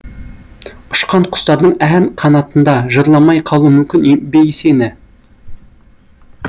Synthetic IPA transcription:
ʊ̥ʃqɑɴqʰʊ̥st̪ɑɾd̪əɴænqʰɑnɑt̪ənd̪ɑʒəɾlˠɑmɑjqʰɑlˠumʏmkʲɪnebejese̞nɪ

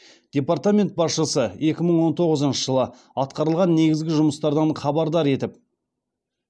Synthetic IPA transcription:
d̪̥ʲe̞part̪amʲe̞nt̪̚bɑsʃəsəe̞kʲɪməɴwo̞nt̪ʰo̞ʁəzənʃə̥ʒəlˠə | ɑt̪qɑɾəlˠʁɑnːe̞ɡʲɪzɡʲɪʒʊməst̪ɑɾd̪ɑɴχʰɑbɑɾd̪ɑɾe̞t̪ɪp̚

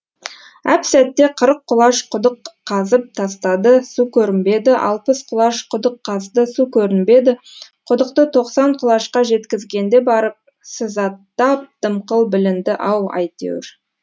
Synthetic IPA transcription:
æpsæt̪ːe̞qʰəɾəqʰːʊlˠɑʃqʰʊd̪əqʰːɑzəp̚t̪ʰɑst̪ɑd̪əsukʲʰɵɾɪnbe̞d̪ɪʔɑ̰lˠpəsqʰʊlˠɑʃqʰʊd̪əqʰːɑzd̪əsukʲʰɵɾɪnbe̞d̪ɪ | qʰʊd̪əqt̪ət̪ʰo̞qsɑɴqʰʊlˠɑʃqɑʒe̞t̪kʲɪzɡʲe̞nd̪e̞bɑɾəp̚ | sɪzɑt̪ːɑp̚d̪̥əmqəlˠbɪlɪnd̪ɪʔɑwɑ̰jt̪ḛwɪ̰ɾ

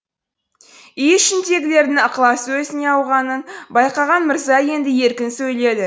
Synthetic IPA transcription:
ijʃɪnd̪e̞ɡʲɪle̞ɾd̪ɪŋqlˠɑswɵzɪne̞ɑwʁɑnənbɑjqɑʁɑnmɪɾzɑje̞nd̪ɪje̞ɾkʲɪnsɵjle̞d̪ɪ

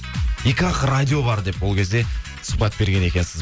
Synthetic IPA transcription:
ikʲɑqrad̪ʲio̞bɑɾd̪e̞pwo̞lˠkʲʰe̞zd̪e̞ | sə̥pɑt̪̚be̞ɾɡʲe̞ne̞kʲe̞nsɪz

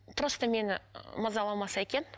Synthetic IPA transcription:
t̪ʰʊɾəst̪əme̞nɪməzɑlˠɑmɑsɑe̞kʲe̞n

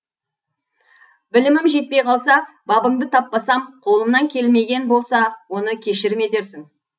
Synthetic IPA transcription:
bɪlɪmɪmʒe̞t̪̚pe̞jqʰɑlˠsɑ | bɑbəɴd̪ət̪ʰɑpːɑsɑmqʰo̞lˠəmnɑŋkʲʰe̞lme̞ɡʲe̞nbo̞lˠsɑwo̞nəkʲʰe̞ʃɪɾɪme̞t̪e̞ɾsɪŋ

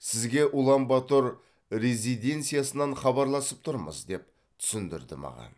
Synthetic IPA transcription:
sɪzɡʲe̞ʔʊlˠɑmbɑt̪oɾ | ɾe̞zijd̪e̞nt̪sɨjasənɑɴχɑbɑɾlˠɑsəp̚t̪ʰʊɾmə̰zd̪e̞p̚ | t̪ʰʏ̥sɪnd̪ɪ̰ɾd̪ɪmɑ̰ʁɑ̰n

